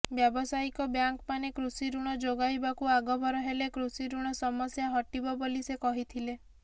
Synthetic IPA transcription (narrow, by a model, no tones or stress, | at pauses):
bjɔbɔsaikɔbjaŋkpanekɾusiɾuɽ̃ɔd͡ʒoɡajbakuaɡɔbʱɔɾɔɦelekɾusiɾuɽ̃ɔsɔmɔsjaɦɔʈibɔbolisekɔɦit̪ʰile